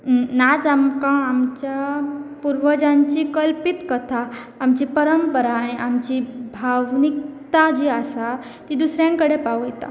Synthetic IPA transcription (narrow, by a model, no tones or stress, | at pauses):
nad͡zamkãːmt͡ɕjapuɾʋəd͡ʑaɲt͡ɕikəlpit̪kət̪ʰaː | mt͡ɕipəɾəmpəɾaːɽ̃iamt͡ɕiːbʱaʋnik̚t̪ad͡ʑiːasa | t̪iːd̪usɾjãŋkəɽepawet̪a̰